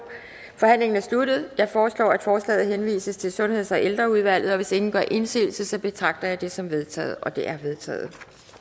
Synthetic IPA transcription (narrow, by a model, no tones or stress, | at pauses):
fɒ̽hæn̰le̝ŋɐnæɐslud̥əð̞̩ˠd̥æfɒːslɒ̰ːæd̥fɒːslɛ̰ːð̩ˠhenʋḭːsəst͡sʰe̝lsɔ̽nhe̝ð̞̰ˠɒ̽ʔeld̥ʁɐuð̞ˠʋæl̰ð̞̩ˠɒ̽ʋe̝se̝ŋn̩̥ɶɐ̰ʔe̝nsḭːl̩səsɒ̽b̥e̝t͡sʰʁɑ̈ɡ̥̚d̥ɐjɑ̈ɪd̥e̝sɒ̽mʋe̝ð̞ˠt͡sʰɛ̰ːð̩ˠʔɒ̽d̥e̝ʔæɐʋe̝ð̞ˠt͡sʰɛ̰ːð̩ˠ